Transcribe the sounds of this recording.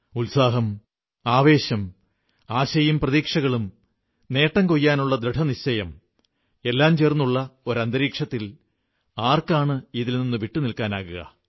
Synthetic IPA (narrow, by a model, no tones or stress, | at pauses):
ulsaːɦɐm | aːʋe̞ːɕɐm | aːɕɐjumprɐðiːkʂɐɣɐɭum | ne̞ːʈːɐŋkojːaːnuɭːɐd̪ɾeʈʰɐniɕɐjɐm | e̞lːaːmt͡ɕe̞ːrnːuɭːɐo̞ɾɐnd̪ɐɾiːkʂɐt̪ːil | aːrkaːɳɨiðilninːɨʋiʈːunilkaːnaːɣuɣɐ̰